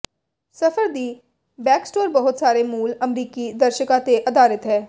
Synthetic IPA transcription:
səfʰəɾd̪iː | bɛːksʈoːɾbəɦʊt̪saːɾemuːləmɾiːkid̪əɾʃəkãt̪eʔɐd̪aːɾət̪ɦɛ̃ː

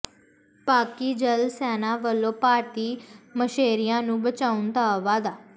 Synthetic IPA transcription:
paːkiːd͡ʒəlsɛːnãːʋəlːõːpaːɾt̪iːməʃeːɾɪjãːnũːbət͡ʃaːund̪aːʋaːd̪aː

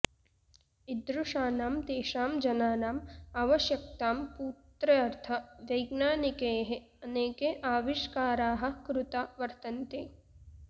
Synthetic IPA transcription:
id̪ɾuʂaːnaːmd̪eːʃaːmd͡ʒɐnaːnaːmaːʋɐʃjɐk̚t̪aːmpuːt̪ɾɐɐɾt̪ʰɐʋjɐjɡnaːnikeːɦe | ɐneːkeʔaːʋiʃkaːɾaːɦɐ̆kɾut̪aːʋɐɾt̪ɐnt̪eː

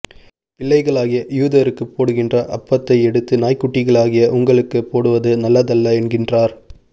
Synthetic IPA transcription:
pɪɭːɐɪɣɐɭaːɣɪjɐjuːðɐɾɯkːɯpːoːɽɯɣɪndrɐʔɐpːɐt̪ːɐɪɛɽɯt̪ːɯnaːjkːʊʈːɪɣɐɭaːɣɪjɐʔʊŋɡɐɭɯkːɯpːoːɽɯʋɐðɯnɐlːɐðɐlːɐɛnɡɪndraːɾ

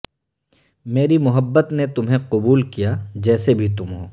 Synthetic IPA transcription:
meːɾimʊɦəbːət̪net̪ʊmɦẽqʊbuːlkijad͡ʒɛːsebʱit̪̬ʊmɦoː

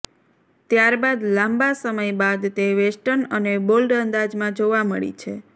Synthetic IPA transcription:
t̪jaɾbad̪lãmbasəməjbad̪t̪eʋeʃʈənənebolɖənd̪ad͡ʒmãd͡ʒoʋaməɭḭt͡ʃʰḛ

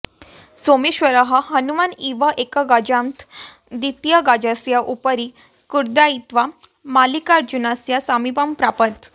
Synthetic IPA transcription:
somiɕʋəɾəɦaɦənumaniʋaʔekaɡad͡ʑamt̪ʰ | d̪it̪jəɡad͡ʑasjaʔupəɾi | kuɾd̪ait̪ʋamalikaɾd͡ʑunasjasamibampɾapət̪

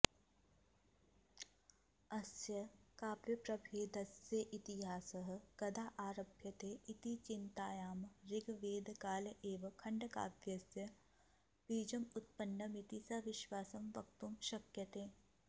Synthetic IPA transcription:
ɐsjɐkaːpjɐpɾɐbʱeːd̪ɐsjəʔɪt̪iɦaːsɐɦɐ̆kɐd̪aːʔaːɾɐbʱjɐt̪eːʔɪt̪it͡ʃɪnt̪aːjaːmɾɪɡʋeːd̪kaːlʔeːʋɐkʰɐɳɖɐka̰ːbjɐsjɐ | biːd͡ʒɐmʊt̪̚pɐɳːɖɐmit̪isɐʋɪʃʋaːsɐmʋɐk̚t̪umʃɐkjɐt̪ẽː

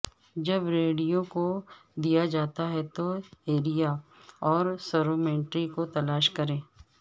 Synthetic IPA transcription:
d͡ʒɐbɾeːɽijõkod̪ijad͡ʒaːt̪aɦɛt̪oeːɾijaɔːɾsɐɾomẽːɳʈɾikot̪ɐlaːʃkɐɾẽː

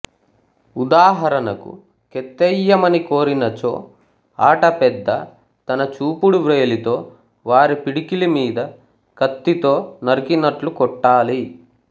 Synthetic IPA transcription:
ud̪aːɦɐɾɐnɐkṵ | kɛt̪ːɛjːɐmɐniko̞ːɾinɐt͡ʃo̰ː | aːʈɐpɛd̪ːɐ | t̪ɐnɐt͡ʃuːpuɽuʋɾeːlit̪o̞ː | ʋaːɾipiɽikilimiːd̪ɐ | kɐt̪ːit̪o̞ːnɐɾikinɐʈlukɔʈːaːli

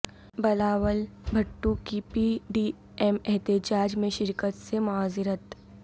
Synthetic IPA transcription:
bɐlaːʋəlbʱɐʈːukipiɖiː | ɛmɛɦt̪ed͡ʒaːd͡ʒmẽʃɪɾkət̪semʊɦaːzɪɾət̪

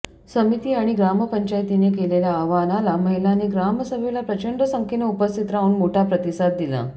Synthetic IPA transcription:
səmit̪iːaɽ̃iɡɾaməpəɲt͡ɕajt̪inekeleljaːʋanalaməɦilanːeɡɾaməsəbʱelapɾət͡ɕəɳɖəsəŋkʰeneupəst̪ʰit̪ɾaʋuːnmoʈʰapɾət̪isad̪̚d̪ila̰

